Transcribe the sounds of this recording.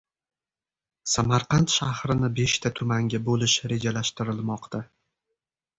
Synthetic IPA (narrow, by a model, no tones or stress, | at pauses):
samaɾqʰɑnt̪ʃahɾɪnɪbe̞ʃt̪ʰat̪ʰʊmaŋɡʲabolɪʃɾe̞d͡ʒalaʃt̪ɪɾɪlmɒqt̪ʰa